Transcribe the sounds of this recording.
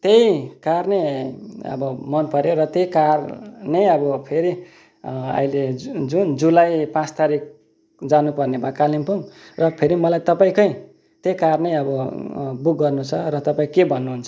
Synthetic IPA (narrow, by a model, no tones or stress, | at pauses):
t̪ejkarneʌ̰bʌmʌnpʌɾjoɾʌt̪ejkarnʌjʌbʌpʰeɾi | ʌ̰iled͡zund͡zulajpãt͡st̪aɾik̚ | d͡zanupʌrnebakalimpuŋrʌpʰeɾimʌlajt̪ʌpaĩkʌj̃ | t̪jejkarnʌjʌbʌbuk̚ɡʌrnut͡sʰʌɾʌt̪ʌpaĩkebʱʌnːuɦunt͡sʰʌ̥